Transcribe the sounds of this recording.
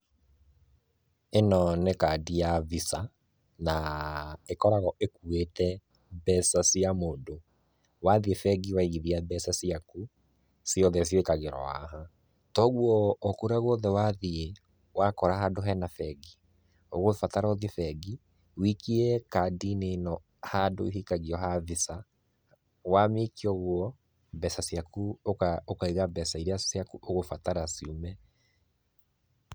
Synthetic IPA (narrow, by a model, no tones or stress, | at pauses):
enɔnekadijavisa | na | ekɔɾaɣɔʔekuetɛ | bɛsasiamoːdo | waðiefɛɡiwaiɣiðiabɛsasiaku | siɔðɛs̬jwekaɣeɾɔ̰wa̰ɦa | tɔɣwɔːkoɾaɣɔðɛwaðie | wakɔɾaɦadoɦɛnafɛɡi | oɣofataɾɔðifɛɡi | wikiɛkadinenɔ | hadoiɦikaɣiɔɦavisa | wamekʰiɔɣwɔ | bɛsasjakuokaokaiɣabɛsaiɾeasiakuʔoɣofataɾasiomɛ